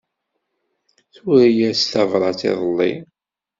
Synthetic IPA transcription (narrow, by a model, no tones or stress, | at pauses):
θʊɾijæsθævɾˤɑt͡sḛðˤəlːḭ